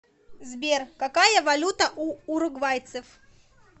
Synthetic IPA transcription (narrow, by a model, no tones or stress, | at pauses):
zbʲerkɐkajəvɐlʲut̪əʔuːɾʊɡvajt̪sɨf